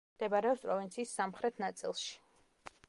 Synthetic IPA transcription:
d̪̥ɛbaɾɛɔpspʼɾɔvint̪sʰiːsːamχɾɛt̪ʰnat̪sʼḭlˠʃi̥

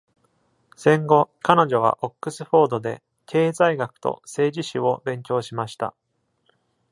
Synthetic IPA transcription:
sẽ̞ŋɡo̞kano̞ʑo̞β̞a̰ʔokːɯ̟sɨɸo̞ːd̪o̞d̪e̞ | kʰe̞ːzaiɡakɯ̟̥t̪o̰se̞ːʑiɕio̞bẽ̞ŋkʲo̞ːɕimaɕi̥t̪a̰

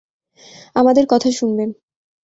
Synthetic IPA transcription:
amad̪eɾkɔt̪ʰaʃunben

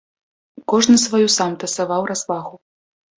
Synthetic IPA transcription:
kɔʐnɨsvajusamt̪ɐsavawrazvaɣu

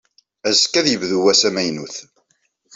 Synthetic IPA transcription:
æzkːæðjəvðuwæsæmæjnuθ

